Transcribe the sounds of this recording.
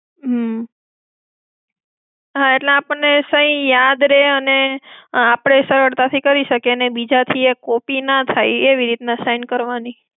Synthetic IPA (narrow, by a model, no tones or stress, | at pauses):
ɦ | ɦaeʈlẽapəɳnesə̃ĩjad̪ɾeəneapɽ̃esəɾʋəɽt̪at̪ʰikəɾiʃəkenebid͡ʒat̪ʰiekopinat̪ʰajeʋiɾit̪nasajnkəɾʋani